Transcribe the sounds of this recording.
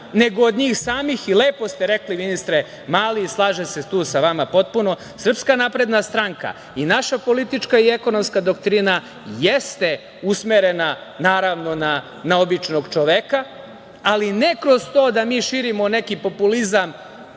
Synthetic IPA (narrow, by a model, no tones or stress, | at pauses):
ne̞ɡoːd̪ɲiːxsaːmixileːpo̞st̪eɾe̞kliʋinist̪ɾe | maːliːslˠaːʒeset̪uːsaʋamapo̞t̪̚puno̞ | sr̩pskanapɾe̞d̪nast̪ɾaŋka̰ | inaʃapo̞lit̪it͡ʃkaieko̞no̞mskad̪okt̪ɾina | jest̪e̞ | usmeɾena | naːɾaʋno̞na | naobit͡ʃno̞ɡt͡ʃo̞ʋeka | aline̞kɾo̞st̪o̞ːd̪amiːʃiɾimone̞kipo̞pulizam